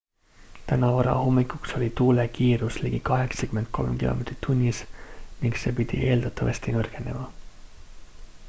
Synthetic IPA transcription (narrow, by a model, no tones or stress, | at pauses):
t̪ænɑvɑɾɑ̰homːikˑukso̞lʲit̪uːlekʰiːɾusliɡ̥ikɑɦe̞ksɑkyment̪̚kʰo̞̰lmkḭlo̰met̪rit̪ʰːunʲːisniŋkse̞pit̪ḭʔe̞ːld̪ɑt̪ːɑvɑ̰st̪inørke̞ne̞̰mɑ